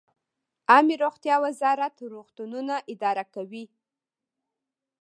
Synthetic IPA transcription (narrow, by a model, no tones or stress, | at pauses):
ɑmiɾoɣt̪jɑwazɑɾat̪ɾoxt̪ununaʔɪd̪ɑɾakawi